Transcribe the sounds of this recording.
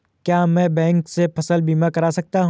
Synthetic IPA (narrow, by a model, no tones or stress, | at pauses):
kjaːmɛ̃ːbɛ̃ːŋksepʰɐsəlbiːmakɐɾaːsɐk̚t̪aɦ